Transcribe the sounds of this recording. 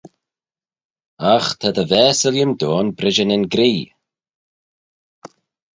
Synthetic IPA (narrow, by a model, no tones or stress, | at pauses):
axt̪ʰad̪əvɛːsəljəmd̪oːnbɾɪd͡ʒənɪnɡɾiː